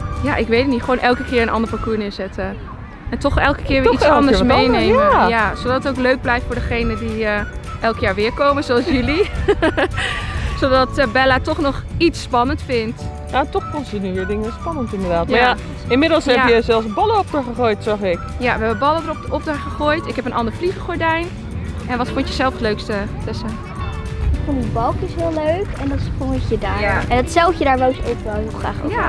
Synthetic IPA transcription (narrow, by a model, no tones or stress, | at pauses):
ja̰ʔɪkʋejtətnitχʋoːnʔɛlˠkəkɪːɹənʔɑ̰ndəɹpakuːɹnɪnzɛtə | ɛntɔχɛlˠkə̥kɪːɹʋisɑndəsmejnejmməjazodɑtətowkløɥɡ̚blɛjftfʊːɹdəχejnədiəʔɛlˠkjaːɹʋɪːɹkowmənzoɑlˠsjəli | z̥odɑtbɛlatɔχnɔχitspɑnəntfɪnt | jatɔχkɔnsənyɪdɪŋəɪspɑnəntɪndəɹdaːtmaaja | ɪnmɪdəl̩ˠshɛjəzɛlˠsbɔləɔp̚kəɹχəχoːjtsɑχɪkjaʋəɛbəbɔlədərɔp̚dəɔp̚daχəχoːjtɪkɦɛpənʔɑndəɹfliχəχɔɹdɛjn | ʔɛnʋɑtfontjəzɛlˠfdløɥkstətɛsə | ɪkfondəbɑlˠkəsɦɪːløɥkɛndɑtspɔncədaːɛndɔtsɛlˠfjədaːɹʋowsowkʋɛlˠɦɪːlˠxra̰ːχo̰ja